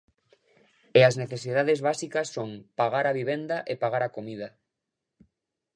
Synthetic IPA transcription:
eazneθesið̞aðezβasikasːõŋpaɣaɾaβiβ̞end̪aʔepaɣaɾakomiða

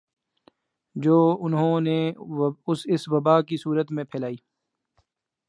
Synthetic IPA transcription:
d͡ʒoːʊnɦõne | ʊsɪsʋɐbaːkisuːɾət̪mẽpʰɛːlaːiː

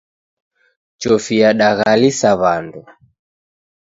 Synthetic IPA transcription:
t͡ʃɔfiaɗaɣalisaβandu

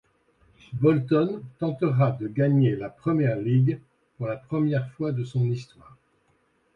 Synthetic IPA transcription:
bɔlt̪ɔnt̪ɑ̃t̪əʁad̪əɡaɲelapχəmjɛʁliɡ | puʁlapχəmjɛʁfwad̪əsɔ̃nist̪waːʁ

